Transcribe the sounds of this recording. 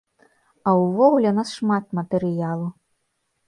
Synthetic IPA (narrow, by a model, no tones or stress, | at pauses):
ɐwvɔɣulʲɛunasʂmat̪mɐt̪ɛɾɨjalˠu